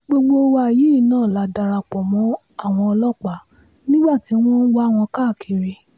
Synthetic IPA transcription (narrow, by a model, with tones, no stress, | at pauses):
ɡ͡bo˧ɡ͡bo˧˦wa˧˨ji˨˦˨nãː˦˨la˨˦da˧ɾa˧k͡pɔ˨mɔ̃˨˦ | a˦˨w̃ɔ̃˧ɔ˧lɔ˦k͡pa˨˦ | nĩ˦ɡ͡ba˦˨ti˨˦w̃ɔ̃˦n̩˦wa˦˨w̃ɔ̃˧ka˦˨kʰi˧ɾi˧